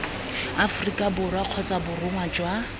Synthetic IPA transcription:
afʊrikʼabʊrwaq͡χʰɔt͡sʼabʊrʊŋwad͡ʒwa

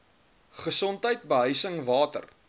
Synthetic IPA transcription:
χəsɔntɦəjt̚bəɦœɥsəŋvɑːtə̰r

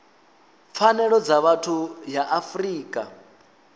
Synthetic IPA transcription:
p̪fʰanɛɺɔd͡zaβatʰujaʔafriːkʼa

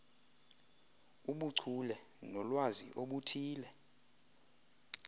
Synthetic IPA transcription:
uɓuǀʱʰulɛ | nɔlwazḭʔoɓutʰiːlɛ

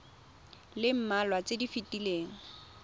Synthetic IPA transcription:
lɪm̩malwat͡sedifɪtileːŋ̩

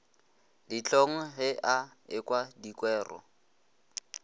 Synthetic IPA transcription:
dit͡ɬoŋ̩ɦɪʔa | ɪkwadikwɛːrɔ̰

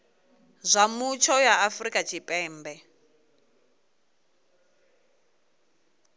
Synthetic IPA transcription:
zʷamut͡ʃʰɔjaafrikʼat͡ʃʰipʼɛːmbɛ

